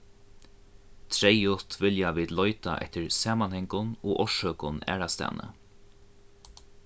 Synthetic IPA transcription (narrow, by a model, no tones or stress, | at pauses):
t̪ʰɾɛjʊt̪vɪljaviːd̪lɔʏt̪a̰ʔɛ̰ht̪ɪɹsaːmanhɛŋkʊnoːʔɔʂœːkʊnæ̰ːɹast̪ɛ̰ːnə̰